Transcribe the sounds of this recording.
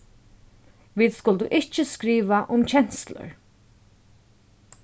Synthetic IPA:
viːðskʊlt̪ʊ̰ʔɪht͡ʃɪskɾiːʋaʔʊmt͡ɕʰɛn̥slʊ̰ɹ

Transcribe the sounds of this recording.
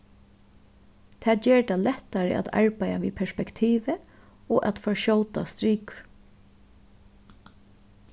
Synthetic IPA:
t̪ʰɛːt͡ʃeːɹd̪alɛt̪ːaɹə̰ʔa̰t̪ʰa̰ɹpajaʋḭːpʰɛɹspɛkt̪ʰiːʋə | ɔːʔat̪fɔɹʃɔwt̪a̰st̪ɾiːkʊ̥ɹ

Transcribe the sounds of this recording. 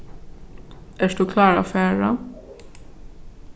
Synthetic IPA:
æːʂd̪̥uːkʰlɑːɹa̰ːfæːɹa

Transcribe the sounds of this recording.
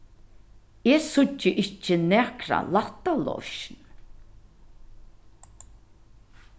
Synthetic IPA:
eːsʊt͡ʃːəʔɪt͡ʃːənɛːkɾa̰lat̪alɔ̰ʃn

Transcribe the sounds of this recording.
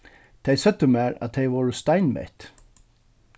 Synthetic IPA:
t̪ʰɛjsœt̪ːəmæːɹæ̰t̪ʰejʋɔɹəst̪aɪnmɛ̰t̪

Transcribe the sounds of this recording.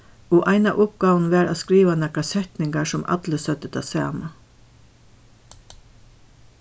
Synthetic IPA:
oːʔɑɪnɑʔʊp̚ɡ̥ɑːʋn̩ʋæːɾɑ̰skɾiːʋanækɑsɛt̪nɪŋɡɑsɔmʔɑ̰d̪̥ləsœt̪ət̪ʰɑ̰sɑ̰ːmɑ

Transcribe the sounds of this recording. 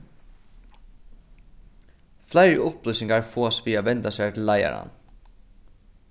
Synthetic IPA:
flæɪɾʊplʏsɪŋɡaɹfoːspiːaʋɛnt̪ɑsɛːt̪ʰɪlæɪɑ̰ɾɑ̰n

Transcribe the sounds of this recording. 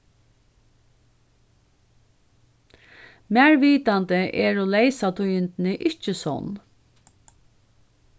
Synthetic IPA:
mæːɹʋiːt̪ant̪əʔɛɹoːleɪsat̪ʰujɪnt̪nəʔɪt͡ʃəsɔ̰n

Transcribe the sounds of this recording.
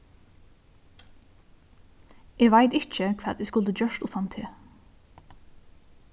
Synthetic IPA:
ɛːʋajt̪ɪht͡ʃəkʰv̥ɛːt̪ɛskʊlt̪əd͡ʒœʃt̪uːt̪ʰant̪ʰɪ

